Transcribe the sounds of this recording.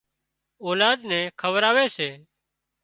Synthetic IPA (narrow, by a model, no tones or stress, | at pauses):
oːlaːd̪nɛ̃ːkʰəʋəɾaːʋeːseː